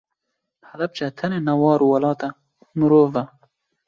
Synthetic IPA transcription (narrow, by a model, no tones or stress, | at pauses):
hɐlɐb̚t͡ʃʰɐt̪ʰɐneːnɐwɑːɾuːwɐlɑːt̪ɛ | mɨɾoːvɐ